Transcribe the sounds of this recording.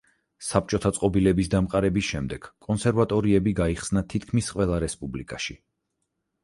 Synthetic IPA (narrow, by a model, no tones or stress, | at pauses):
sap̚t͡ʃʼɔt̪ʰat̪sʼqʼɔbilɛbisd̪amqʼaɾɛbisʃɛmd̪ɛɡ̥kʼɔnsɛɾvat̪ʼɔɾiɛbiɡaiχsnat̪ʰit̪̚kʰmisqʼwɛlˠaɾɛspʼublikʼaʃi